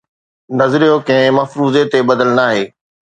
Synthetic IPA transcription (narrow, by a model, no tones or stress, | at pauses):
nɐzɾijokɐ̃ɦɪ̃mɐfɾuːzet̪ebɐd̪əlnaːɦeː